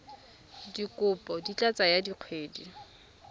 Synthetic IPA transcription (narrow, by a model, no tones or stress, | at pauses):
dikʊpʼɔdit͡ɬʼat͡sʼajadiq͡χʰweːdi